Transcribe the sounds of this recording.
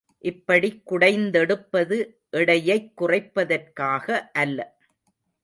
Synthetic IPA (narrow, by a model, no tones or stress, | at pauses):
ʔɪpːɐɽikːʊɽɐɪnd̪ɛɽɯpːɐðɯ | ʔɛɽɐjɐɪkːʊrɐɪpːɐðɐrkaːɣɐʔɐlːɐ